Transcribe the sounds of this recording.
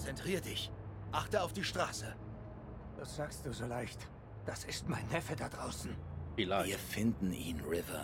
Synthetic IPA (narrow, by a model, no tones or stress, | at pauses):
t͡sɛntʁ̥iːʁədɪçʔaχtəaʊfd̥iːʃtʁ̥aːsə | v̥asz̥aːkst̚d̥uːzoːlaɪçt | d̥asɪstmaɪnːɛfədad̥ʁaʊsn̩ilaɪɡəfɪndn̩ʔḭːnʁɪvɐ̰